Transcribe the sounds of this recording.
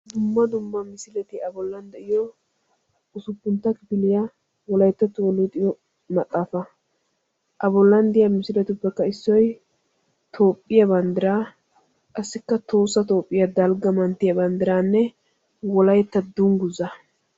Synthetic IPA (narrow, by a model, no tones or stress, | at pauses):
d̪ʊmːɐd̪ʊmːɐmɪsɪlɛt̪ɪɐbɔlːɐnd̪ɛʔɪjɔ | ʔʊsʊpːʊnt̪ːɐkɪbɪlɪjɐ | wɔlɐjt̪ːɐt̪ːʊwɔlːɔd̪ɪjɔ | mɐt̪ʼːaːfɐ | ʔɐbɔlːɐnd̪ɪjɐmɪsɪlɛt̪ʊpːɛkːɐɪsːɔj | t̪ʰo̞ːpʼːɪjɐbɐnd̪ɪɾaː | kʼɐsːɪkːɐt̪o̞ːsːɐt̪o̞ːpʼːɪjɐd̪ɐlɡɐmɐnt̪ːɪjɐbɐnd̪ɪɾaːnːɛ | wɔlɐjt̪ːɐd̪uŋɡʊzːɐ